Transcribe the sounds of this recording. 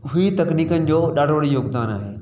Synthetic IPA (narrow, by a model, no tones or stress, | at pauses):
ɦʊit̪ɐkniːkənɪ̆d͡ʑoːɗaːɽʋəɽijoːɡd̪aːnaːɦeː